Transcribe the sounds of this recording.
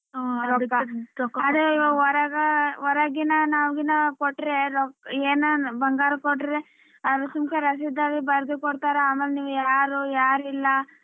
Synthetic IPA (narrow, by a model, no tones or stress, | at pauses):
ɾɔkːɐkːɐd̪uiʋɐɔɾɐɡɐɔɾɐɡinɐnaːʋɡinɐkoʈːɾeɾɔkeːnɐbɐŋɡaːɾɐkoʈːɾe | ɐʋɐsumkeɾɐs̬id̪ːaːlibɐɾd̪ukoɽt̪aːɾeaːmelniːʋujaːɾujaːɾilːɐ